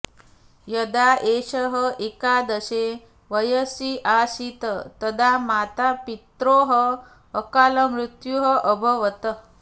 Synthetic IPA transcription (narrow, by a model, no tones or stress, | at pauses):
jəd̪aʔeɕəɦəʔekad̪əse | ʋəjəsiʔasit̪ət̪əd̪ʱamat̪apit̪ɾoɦəː | kaləmɾut̪juɦəʔəbʱəʋət̪ə